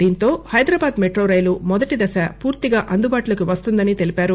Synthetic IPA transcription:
d̪iːnt̪o̞ːhɐjd̪ɾɐbaːd̪meʈɾoːɾɐjlumɔd̪ɐʈid̪ɐsɐpuːɾt̪iɡaːʔɐnd̪ubaːʈulɐkuʋɐst̪und̪ɐnit̪e̞lipaːɾu

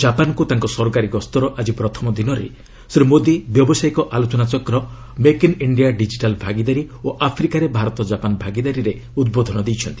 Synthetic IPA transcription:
d͡ʒapankut̪aŋkɔsɔɾɔkaɾiɡɔst̪ɔɾɔʔad͡ʒipɾɔt̪ʰɔmɔd̪inɔɾḛ | sɾimod̪ibjɔbɔsajkɔʔalot͡ʃɔnat͡ʃɔkɾɔ | mekiniɳɖijaɖid͡ʒiʈalbʱaɡid̪aɾioʔapʰɾikaɾebʱaɾɔt̪ɔd͡ʒapanbʱaɡid̪aɾiɾeud̪̚bod̪ʱɔnɔd̪ejt͡ʃʰɔnt̪i̥

